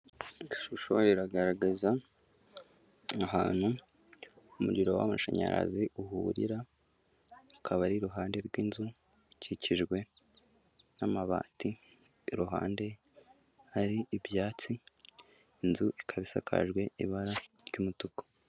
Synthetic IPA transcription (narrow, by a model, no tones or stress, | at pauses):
ʃuʃo̰ɾiɾaɡaɾaɡaza | aɦa̰ːn̥hu | umuɟiɾo̞wa̰muʃaɲa̰ɾa̰ziʔuhuːɾḭɾa | kʰaβaɾiɾuɦaːnde̞ɾɡwiːnzu | ciciʒɡwe̞ | namaβa̰ːti | ɾuɦa̰ːnde̞ | haɾiːbjaːt͡si | inzuʔikʰaβisa̰kʰa̰ʒɡwe̞iβaɾaɾɟumutukḁ